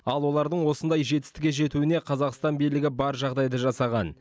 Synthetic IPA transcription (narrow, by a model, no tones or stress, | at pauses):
ɑlˠwo̞lˠɑɾd̪əɴwo̞sənd̪ɑjʒe̞t̪ɪ̥st̪ɪ̥kʲe̞ʒe̞t̪uɪneqʰɑzɑqst̪ɑnbijlɪɡʲɪbɑɾʒɑʁd̪ɑjd̪əʒɑsɑʁɑn